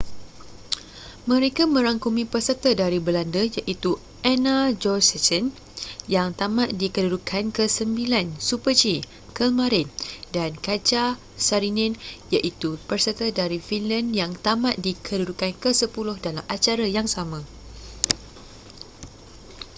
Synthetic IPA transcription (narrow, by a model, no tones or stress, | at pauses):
mə̃ɾekamə̃ɾaŋkumĩpərsərt̪ədaɾibəlandəjaʔit̪u | ʔɛnad͡ʒɔsɛt͡ʃən | jaŋt̪amãʔdikədudukʰankəsəmbilansupəd͡ʒi | kəlmãɾɪndankad͡ʒa | saɾinɛ̃njaʔit̪upərsərt̪ədaɾifinlanjaŋt̪amãʔ̪̚dikʰədudukankəsəpulʊhdalamʔat͡ʃaɾajaŋsamã